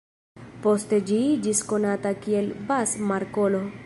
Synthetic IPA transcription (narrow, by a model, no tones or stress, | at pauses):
post̪ed͡ʒid͡ʒiskonat̪akielbasmaɾkolo